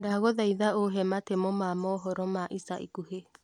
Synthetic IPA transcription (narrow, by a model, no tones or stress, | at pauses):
daɣoðaiðaoɦɛmatemɔmamɔɦɔɾɔmaʔisaḭkuɦe